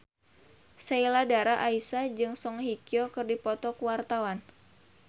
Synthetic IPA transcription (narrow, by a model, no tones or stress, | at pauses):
sailadaɾaʔaisad͡ʒɨŋsɔŋhikiɔkɨrdipɔt̪ɔkuwart̪awan